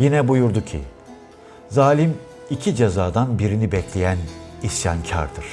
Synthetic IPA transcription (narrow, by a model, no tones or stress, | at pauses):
jinɛbujuɾd̪ucʰḭ | zaːlʲim | icʰid͡ʒezaːd̪anbiɾinibɛclʲejænisja̰ncʰa̰ɾd̪ɯɾ̥